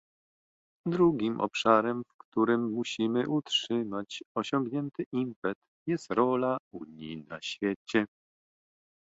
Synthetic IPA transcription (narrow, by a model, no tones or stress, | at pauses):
d̪ɾuɡʲimʔɔ̰pʂaɾɛmfkt̪uɾɘmːuɕimɘʔutʂɘmat͡ɕɔɕɔ̃ŋɡɲɛnt̪ɘʔimpɛt̪ | jɛst̪ɾɔlauɲḭna̰ɕfʲjɛt͡ɕɛ